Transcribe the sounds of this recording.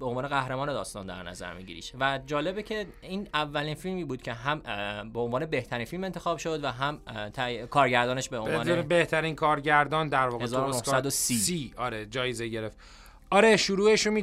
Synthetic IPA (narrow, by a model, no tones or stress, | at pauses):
beonvɒːne̞ɣæhɾemɒːne̞d̪ɒ̰ːst̪ɒ̰ːnd̪æ̰ɾnæ̰zæ̰ɾmḭɟḭɾḭːʃvæd͡ʒɒːle̞becʰe̞ | iːnævːæliːnfilmiːbuːd̪̥cʲʰe̞ɦæmbeonvɒːne̞be̞ht̪ʰæɾinfilme̞nt̪ʰe̞xɒːbʃo̞d̪væɦæmt̪ʰækʰɒːɾɟæɾd̪ɒːne̞ʃbeʔonvːebeht̪ʰæɾinkʰɒːɾɟæɾd̪ɒːnd̪æɾvɒːɣhezːɾonohsæd̪osiːsiːɒɾed͡ʒɒːjezeɟe̞ɾeft̪ | ɒɾe̞ʃuɾuːeʃomi